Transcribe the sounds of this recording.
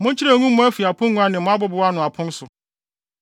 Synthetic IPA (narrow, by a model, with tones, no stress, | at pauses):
mʊ̃˦ɲ̩˦t͡ɕʰɪ˦ɾa˨ɲũ˦m˦mʊ̃˦æ˦fi˨a˨pʰʊ̃˦ŋũ˦a˦nɪ̃˨mʊ̃˦a˦bʊ˦bʊ˨wa˦nʊ̃˨a˨pʰʊ̃˦n˦sʊ˨